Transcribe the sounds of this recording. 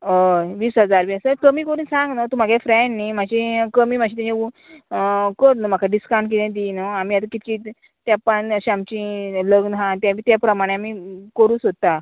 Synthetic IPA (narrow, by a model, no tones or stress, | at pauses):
əʋiːsɦəd͡zaɾʋasəkəmiːkəɾuːnsãŋɡnat̪um̤aɡjafɾɛ̃ɳnimad͡ʑikəmiːmad͡ʑʰit̪jãd͡ʑeu | kəɾnəm̤akʰaɖiskãw̃ɳʈk̬it̪ẽd̪inəamiːat̪əkit̪i | t̪japanəɕiamt͡ɕĩləɡnɦãt̪jamiːt̪japɾəmaɽ̃ẽamiːkəɾuːsɦot̪a